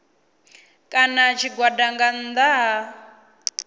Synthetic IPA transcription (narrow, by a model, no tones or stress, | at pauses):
kʼanat͡ʃʰiɡwadaŋɡand̪aɦa